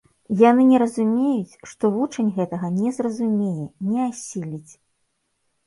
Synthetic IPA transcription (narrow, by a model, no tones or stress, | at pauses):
janɨnʲɛɾɐzumʲejut͡sʲʂt̪ɔvut͡ʂɐnʲɣɛt̪ɐɣɐnʲɛzrɐzumʲejɛnʲɛasʲilʲit͡sʲ